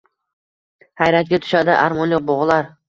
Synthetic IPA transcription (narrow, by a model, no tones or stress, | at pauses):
hajɾat̪̚ɡʲat̪ʰʊ̥ʃad̪ɪ̰ʔaɾmɒnjɒq̚bɒʁlˠaɾ